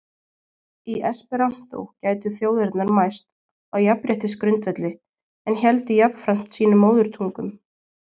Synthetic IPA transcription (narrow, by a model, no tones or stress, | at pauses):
iʔɛspɛɾam̥t̪o̰wcaːjt̪ʏθjoːwðɛɾt̪naɾmajst̪ | aɣjapɾjɛht̪ɪskɾʏnt̪vɛt̪lɪ | ɛnçɛlt̪ʏjapnfɾam̥t̪siːnʏmːoːwðʏɾ̥t̪ʰuŋkʏm